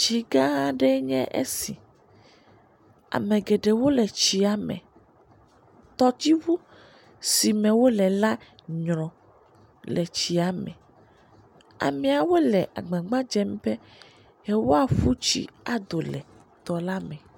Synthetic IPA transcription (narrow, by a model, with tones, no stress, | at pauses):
t͡ʃi˨ɡã˦ɖɛ˦ɲɛ̰̃˦ʔḛ˦sḭ˨ | a̰˨mẽ˨ɡe˨ɖe˨wo˦lɛ˨t͡ɕi˨a˨mɛ̰̃˨ | t̪ɔ˦t̪i˦vu˦ | si˨mɛ̃˨wo˦lɛ˨la˦ | ɲɾ̃ɔ̃˨ | lɛ˨t͡ɕi˨a˨mɛ̰˨ | a̰˨mĩ˨a˨wo˦lɛ˨ʔa̰˨ɡ͡bã˨ɡ͡bã˦d͡ʒɛ˦mbe˦ | e˦wo˦a˨fu˦t͡ɕḭ˨a˨d̪o˨lɛ˨ | t̪ɔ˨la˦mɛ̃˨